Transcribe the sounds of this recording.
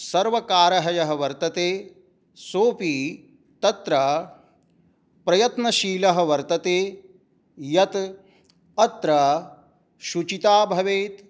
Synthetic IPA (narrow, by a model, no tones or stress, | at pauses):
sɐɾʋɐkaːɾɐɦɐjɐɦɐʋɐɾt̪ɐt̪eː | soːpi | t̪ɐt̪ɾɐ | pɾɐjɐt̪nɐʃiːlɐɦɐ̆ʋɐɾt̪ɐt̪eː | jɐt̪ | ɐt̪ɾɐ | ʃut͡ʃit̪aːbʱɐʋeːt̪